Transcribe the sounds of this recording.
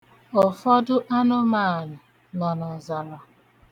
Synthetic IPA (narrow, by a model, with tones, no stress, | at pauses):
ɔ˨fɔ˦dʊ˦ʔa˦nʊ˦ma˦˨nʊ˨ | nɔ˨nɔ˨za˨ɾa˨